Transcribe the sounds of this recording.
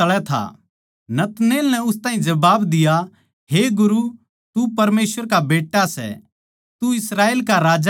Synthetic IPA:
ɐɭɛt̪ʰa̰ | nɐt̪neːlnɛʊst̪ãːɦĩd͡ʒɐbaːbd̪ɪja | ɦeɡʊɾu | t̪upɐɾmeːsʋəɾkabeːʈːasɛ̰ | t̪uɪsɾaːeːlkaɾaːd͡ʒ

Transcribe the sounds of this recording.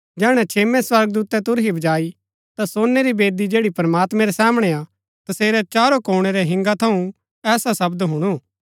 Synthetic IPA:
d͡ʒɛːɽ̃ɛ̃t͡ʃʰeːmɛ̃swɐɾɡd̪uːt̪ɛt̪ʊɾɦibɐd͡ʒaːi | t̪asoːnːɛɾibeːd̪id͡ʒeːɽipɾmaːt̪mɛ̃ɾɛsaːməɽ̃ɛa | t̪ɐseːɾɛt͡ʃaːɾokoːɽ̃ɛɾɛɦɪ̃ŋɡat̪ʰɐũ | ɛːsasɐbd̪ɦʊɽ̃u

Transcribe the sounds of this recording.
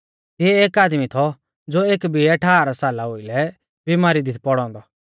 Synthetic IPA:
t̪ɪɛeːkaːd̪mit̪ʰɔ | d͡zoːeːkbʱiɐʈʰaːaɾasaːlaɦoːilɛ | bimaːɾid̪ɪt̪ʰpɔɽ̃ɔ̃ːnd̪ɔ

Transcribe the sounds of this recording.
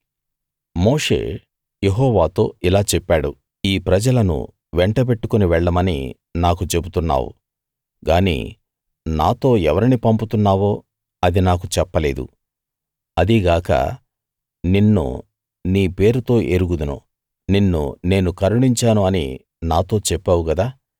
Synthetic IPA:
mo̞ːʂe̞̰ː | je̞ɦɔːʋaːt̪o̞ːilaːt͡ʃɛpːaːɽu | iːpɾɐd͡ʒɐlɐnṵ | ʋɛɳʈɐp̬e̞ʈːukoniʋɛɭːɐmɐnḭ | naːkut͡ʃe̞but̪unːa̰ːwṵ | ɡaːnḭː | naːt̪o̞ːɛʋɐɾinipɐmput̪unːaːʋoː | ɐd̪inaːk̬ut͡ʃɛpːɐle̞ːd̪ṵ | ɐd̪iɡaːkɐ̰ | ninːṵ | niːpe̞ːɾut̪o̞ːʔeɾuɡud̪ɐnṵ | ninːṵne̞ːnukɐɾuɽiɲt͡ʃaːnuɐnḭ | naːt̪o̞ːt͡ʃɛpːaːwuɡɐd̪aː

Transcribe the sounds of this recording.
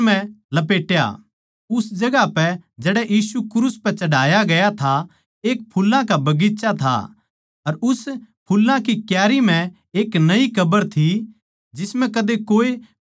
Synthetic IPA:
mɛ̃lɐpeːʈja̰ | ʊsd͡ʒɐɡapɛd͡ʒɛːɽɛjiːsukɾuːspɛt͡ʃɐɽaːjaɡɐjat̪ʰa | eːk̚pʰulːãkabɐɡisat̪ʰa̰ | ɐɾʊspʰʊlːãkikjaːɾimɛ̃ | eːknɐikʰɐbəɾt̪ʰi | d͡ʒɪsmɛ̃kɐd̪ekoːe

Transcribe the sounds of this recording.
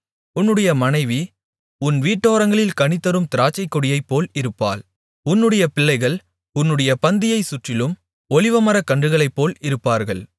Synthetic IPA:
ʊnːɯɽɐjɐmɐnɐɪʋi | ʊnʋiːʈːoːɾɐŋɡɐɭɪlkɐnɪt̪ːɐɾɯmt̪ɪɾaːt͡ʃːɐɪkːɔɽɪjɐɪpːoːlɪɾɯpːa̰ːl | ʊnːɯɽɐjɐpɪɭːɐɪɣɐɭ | ʊnːɯɽɐjɐpɐnd̪ɪjɐɪsʊʈrɪlɯm | ɔlɪʋɐmɐɾɐkːɐɳɖɯɣɐɭɐɪpːoːlɪɾɯpːaːɾɣɐɭ

